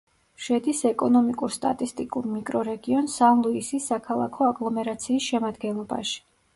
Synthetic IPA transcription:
ʃɛd̪isɛkʼɔnɔmikʼuɾst̪ʼa̰t̪ʼist̪ʼikʼuɾmikʼɾɔɾɛɡiɔnsanlˠuisisːakʰalˠa̰kʰɔaɡlˠɔmɛɾat̪sʰiːsʃɛmad̪ɡɛnlˠɔba̰ʃi̥

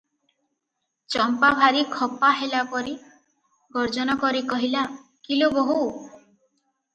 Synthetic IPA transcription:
t͡ʃɔmpabʱaɾikʰɔpaɦelapɔɾi | ɡɔɾd͡ʒɔnɔkɔɾikɔɦila | kiloboɦu

